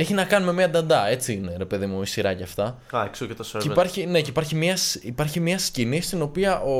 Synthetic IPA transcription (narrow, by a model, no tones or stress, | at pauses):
e̞çinɐkɐnume̞miɐd̪ɐnd̪ɐe̞t͡siineɾe̞pe̞ðimuisiɾɐceɐft̪ɐ | ɐksocet̪ɐseeipɐɾçine̞ceipɐɾçimɐsipɐɾçimɲɐscinist̪ino̞piɐʔo̞